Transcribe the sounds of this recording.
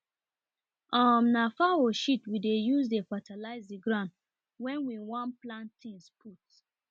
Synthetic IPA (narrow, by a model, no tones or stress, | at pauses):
ɔmnafawoʃitwidejuzdefatʰalaɪzdiɡɹãnd | wɛ̃nwiwɔ̃nplãntʰĩnspʰut